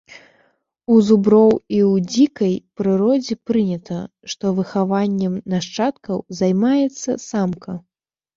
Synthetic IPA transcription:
uzubɾɔwiwd͡zʲikɐjpɾɨɾɔd͡zʲɛpɾɨnʲɛt̪ʰɐ̰ | ʂt̪ɔvɨxavanʲːɛmnaʂt͡ʂat̪kɐwzajmajɛt̪sːɐ̰samkɐ

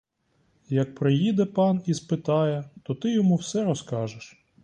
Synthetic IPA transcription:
jɐk̚pɾɪjid̪ɛpɑnispɪt̪ɑjɛt̪ɔt̪ɪjɔmuwsɛɾɔskɑʒɪʃ

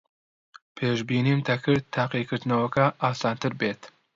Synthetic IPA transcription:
pʰeːʃbiːniːmt̪ʰɐkʰɨɾd̪̚t̪ʰːaːqikɨɾd̪nɐwɐkɐʔaːsaːnt̪ɨɾbeːt̪

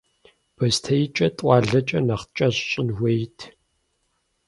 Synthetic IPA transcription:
b̥ɐstʰɐjt͡ʃʼɐtʼʷɑːɮɐt͡ʃʼɐnɐχt͡ʃʼɐɕɕʼɪnwʷejtʰ

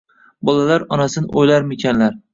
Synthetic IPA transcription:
bɒlˠalaɾɒnasɪnɪʔojlaɾmɪkʲʰanlaɾ

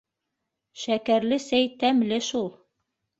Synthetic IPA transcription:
ʃækæɾlɘsæjt̪æmlɘʃulˠ

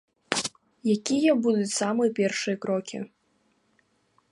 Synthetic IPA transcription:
jakʲijɐbud̪ut͡sʲsamɨjɐpʲɛrʂɨjɐkɾɔkʲḭ

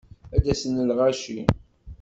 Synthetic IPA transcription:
æd̪æsənəlʁaʃi

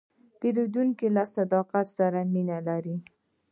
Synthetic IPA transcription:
peɾud̪uŋkilɑst̪ad̪ɑqat̪saɾaminalaɾi

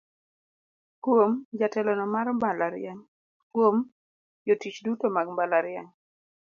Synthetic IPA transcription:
kwomd͡ʒatɛlɔnɔmaɾmbalaɾɪɛŋ | kwom | jotit͡ʃdutomaɡmbalaɾɪɛŋ

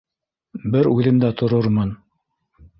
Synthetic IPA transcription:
bɘɾʉðɘmd̪æt̪ʰŏɾoɾmɤn

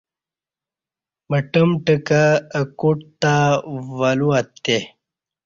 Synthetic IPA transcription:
məʈəmʈəkaːkuʈ̚t̪aʋɐluɐt̪ːe

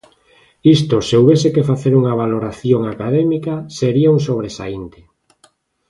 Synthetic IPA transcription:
ist̪oseuβesekefaθeɾuŋaβ̞aloɾaθjoŋakaðɛmikaseɾiauŋsoβ̞ɾesa̰int̪ɪ̥

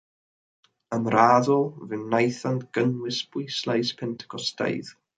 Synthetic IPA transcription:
əmraðʊlˠvɨnːajθantɡ̥ənwɪsb̥ʊjslˠajspʰɛntʰə̥kʰɔsta̰jð

